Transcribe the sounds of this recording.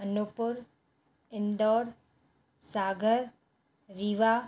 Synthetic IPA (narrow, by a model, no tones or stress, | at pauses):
ɐnupʊɾ | ɪnɖ̪ɔːɾ | saːɡʱəɾ | ɾiːʋaː